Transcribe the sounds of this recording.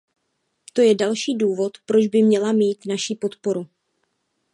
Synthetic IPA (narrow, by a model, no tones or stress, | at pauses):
t̪o̞jɛdalʃiːduːvo̞t̪pɾo̞d͡ʒbɪmɲɛlamiːt̪naʃipo̞t̪po̞ɾu